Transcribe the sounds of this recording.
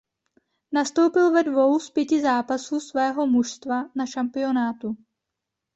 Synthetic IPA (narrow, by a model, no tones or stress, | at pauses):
nast̪o̞wpɪlvɛdvo̞wspjɛcɪzaːpasuːsvɛːɦo̞muʃst̪vanaʃampɪo̞naːt̪u